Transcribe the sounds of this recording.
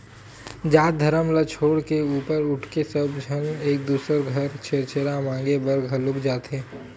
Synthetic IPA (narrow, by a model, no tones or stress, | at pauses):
d͡ʒaːt̪̚d̪ʱɐɾəmlat͡ʃʰoːɽkeuːpəɾʊʈʰkesɐbd͡ʒʱəneːk̚d̪uːsəɾɡʱɐɾt͡ʃʰeːɾt͡ʃʰeːɾamãːŋɡebəɾɡʱəlʊkd͡ʒaːt̪eː